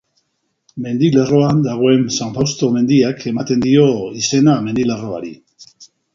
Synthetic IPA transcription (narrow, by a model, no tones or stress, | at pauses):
me̞nd̪ile̞ro̞and̪aɣ̞o̞e̞nsaɱfawst̪o̞me̞nd̪iakʰe̞mat̪e̞nd̪io̞ise̞name̞nd̪ilero̞a̰ɾḭ